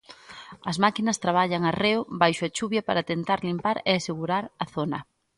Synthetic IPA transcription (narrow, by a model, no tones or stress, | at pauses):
ɐzmakinɐst̪ɾaβaʎɐŋɐreʊβajʃʊɐt͡ʃuβjɐpaɾat̪ent̪aɾlimpaɾeaseɣuɾaɾɐθonɐ̰